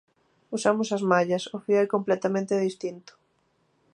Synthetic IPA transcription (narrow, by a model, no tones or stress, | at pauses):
usamʊsɐzmaʎɐsʊfioɛkomplɛt̪amẽnt̪ɪðist̪int̪ʊ̥